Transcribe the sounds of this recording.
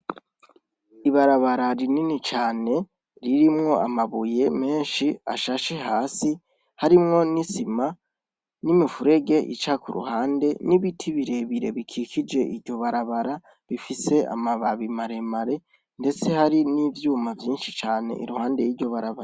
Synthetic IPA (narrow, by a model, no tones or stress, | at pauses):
iβaɾaβaɾaɾininit͡ʃaːne̞ | ɾiɾimŋo̞amaβuje̞me̞ːnʃia̰ʃaʃeɦaːsi | haɾimŋo̞nisima | nimifuɾe̞ɡe̞ʔḭt͡ʃakuɾṵhaːnde̞niβitʰiβiɾe̞βiɾe̞̰βikʰikʰid͡ʒe̞ʔiɾɟo̞βaɾaβaɾa | βifise̞a̰maβaβimaɾe̞maɾe̞ | nde̞t͡se̞haɾinivjuːmavjiːnʃi̥t͡ʃaːne̞̰ʔḭɾuhaːnde̞jiɾɟo̞βaɾaβaɾa